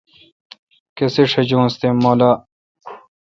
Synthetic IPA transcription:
keseʂɐd͡ʑõːst̪emoːlaː

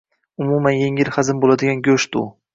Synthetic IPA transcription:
ʊmumanje̞ŋiɪɾχazɪmbolad̪ɪɡʲanɡʲɵʃd̪ʊ̰

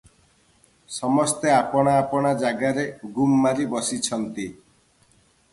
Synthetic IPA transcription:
sɔmɔst̪eapɔɽ̃aːpɔɽ̃ad͡ʒaɡaɾeɡumːaɾibɔsit͡ʃʰɔnt̪i

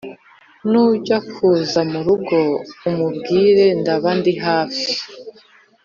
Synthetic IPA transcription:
nuɟakuzamuɾuɡo̞umubɡiːɾe̞ndaβandiɦaːfi̥

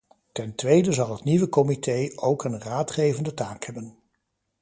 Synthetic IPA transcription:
tɛntʋejdəzɑlˠɦətniʋəkɔmitʰejʔowkənraːtχejvəndətaːkhɛbən

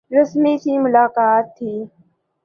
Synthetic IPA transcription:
ɾəsmiːsiːmʊlaːkaːt̪ʰːiː

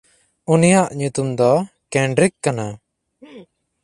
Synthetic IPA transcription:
unijaʔɲut̪umd̪ɔ | kɛɳɖɾikːana

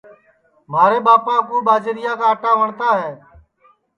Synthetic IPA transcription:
maːɾeːɓaːpaːkuːɓaːd͡ʒeɾɪjãːkaːəʈãːʋəɳt̪aːɦɛː

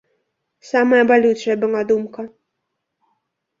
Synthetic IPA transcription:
samɐjɐbalʲut͡ʂɐjɐbɨlˠad̪umkɐ

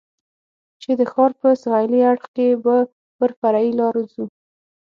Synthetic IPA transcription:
t͡ʃed̪əxɑɾpəsɣajliaɽxkeba | pəɾfaɾailɑɾzu

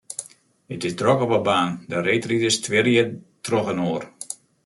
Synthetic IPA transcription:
ətɪsdrɔkɔpəbaːndəɾeːtritɪstʰʋɪɾjə | trɔxənoːər

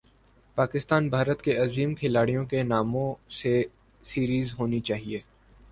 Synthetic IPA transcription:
paːkɪst̪aːnbʱaːɾət̪keɐziːmkʰɪlaːɽijõkenaːmõse | siːɾiːzɦoːnit͡ʃaːɦieː

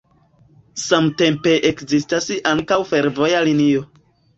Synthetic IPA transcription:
samte̞mpe̞ʔekzistasaŋkawfe̞ɾvo̞jalinio̞

